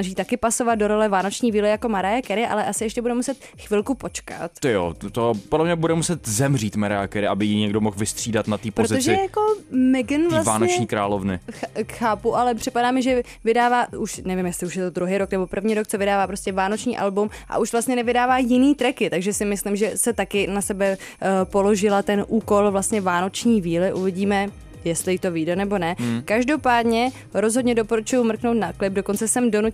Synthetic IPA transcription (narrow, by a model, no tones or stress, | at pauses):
naʒiːt̪akɪpaso̞vat̪̚do̞ɾo̞lɛvaːno̞t͡ʃɲiːviːlɪjako̞maɾajakɛɾɪʔa̰lɛʔasɪjɛʃcɛbudɛmusɛt̪ | xvɪlkupo̞t͡ʃka̰t̪t̪ojo̰t̪opodlɛmɲɛbudɛmusɛt̪zɛmriːt̪maɾajakɛɾɪʔabɪjiɲɛɡdomoxvɪst̪r̥iːdat̪nat̪iːpɾoɾozɪt̪ot͡sʒɪjjako̞mɛɡnvlasvaːnoɛt͡ʃɲɲiːkɾa̰ːlovnɪ̰xakxaːpuʔalɛpr̝̥ɪpadaːmɪʒɛ | vɪdaːvaːuʃnɛvɪmjɛst̪lɪuʃjɛt̪o̞d̪ɾuɦeːjɾo̞knɛbo̞pr̩vɲiːɾok̚t͡sovɪdaːvaːpɾo̞scɛvaːno̞t͡ʃɲḭːʔalbumʔa̰ʔuʃvlast̪ɲɛnɛvɪdaːvaːjɪniːt̪ɾɛkɪt̪aɡʒɛsɪmɪslɪmʒɛsɛt̪akɪnasɛbɛ | po̞lo̞ʒɪlat̪ɛnʔuːko̞lvlast̪ɲɛvaːno̞t͡ʃɲiːviːlɪʔuvɪɟiːmɛ | jɛst̪lɪjt̪o̞viːdɛnɛbo̞nɛkaʒdo̞paːdɲɛ | ɾo̞zɦo̞dɲɛdo̞poɾut͡ʃujumr̩knowt̪naklɪb̚dokont͡sɛsɛmdonu